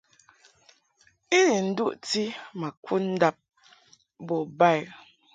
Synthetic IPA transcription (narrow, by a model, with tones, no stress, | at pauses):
i˦ɾi˨n̩˦du˦ʔti˦ma˨kʰu˦n̩˦da˦p̚ | bɔ˨ba˦˨j